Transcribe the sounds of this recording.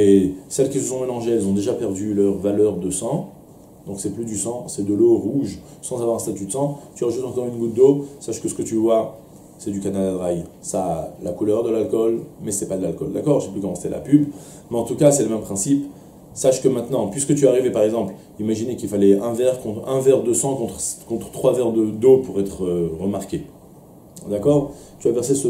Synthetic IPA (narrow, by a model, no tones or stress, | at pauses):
esɛlkʲisəsɔ̃melɑ̃ʒeɛlzɔ̃d̪eʒapɛʁd̪ylœʁvalœʁd̪əsɑ̃ | d̪ɔ̃ksɛplyd̪ysɑ̃sɛd̪əloʁuʒ | sɑ̃zavwaʁɛ̃st̪at̪yd̪əsɑ̃t̪yʁəʒut̪ɑ̃kɔʁynɡut̪̚d̪osaʃkəsə̥kət̪yvwa | sɛd̪ykanalad̪ʁaj | salakulœʁd̪əlalkɔlmɛsɛpad̪əlalkɔld̪a̰kɔʁʒə̥sɛplykɔmɑ̃se̥t̪ɛlʔa̰pyb | mɛɑ̃t̪ukasɛləmɛmpχɛ̃sip | saʃkəmɛ̃t̪nɑ̃pɥiskət̪̬yaʁivɛpaʁɛɡzɑ̃pl | imaʒinekʲilfalɛɛ̃vɛʁkɔ̃t̪ɛ̃vɛʁd̪əsɑ̃kɔ̃t̪χkɔ̃t̪χət̪χwavɛʁd̪əd̪opuʁɛt̪χøʁəmaʁkʲe | d̪akɔʁ | t̪yavɛʁsesə